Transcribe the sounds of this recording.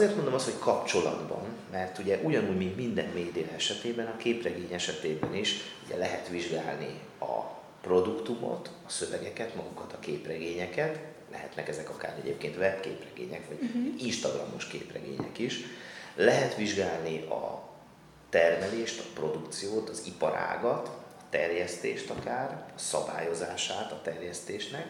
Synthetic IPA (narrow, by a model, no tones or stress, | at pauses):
zeːrt̪mond̪o̞mɒst̪ho̞ckʰɒpt͡ʃo̞lɒ̰d̪bɒ̰m | mɛrt̪uɟɛʔuɟɒnuːɟmint̪mind̪ɛnmeːjd̪eːlɛʃɛt̪eːbɛnɒkeːprɛɡeːɲɛʃɛt̪eːbɛniʃuɟɛ̰lɛɦɛt̪ʋiʒɡa̰ːlnḭ | ɒ̰ | pro̞d̪ukt̪umo̞̰t̪ɒsø̞vɛɡɛkɛt̪mɒɡukɒt̪ɒkeːprɛɡeːɲɛkɛt̪ | lɛ̰ɦɛt̪nɛkɛzɛkɒkaːɾɛɟeːp̚keːnt̪ʋɛpkeːprɛɡḛːɲɛkʋɒɟinʃt̪ɒɡrɒ̰mo̞ʃkḛːprɛ̰ɡḛːɲɛ̰kiʃlɛɦɛt̪ʋiʒɡaːlniʔɒ | t̪ɛrmɛleːʃt̪ɒpro̞d̪ukt̪sijoːt̪ɒzipɒɾa̰ːɡɒt̪ɒt̪ɛrjɛst̪ḛːʃt̪ɒkaːrɒsɒ̰ba̰ːjo̞zaːʃaːt̪ɒt̪ɛrjɛst̪eːʃnɛk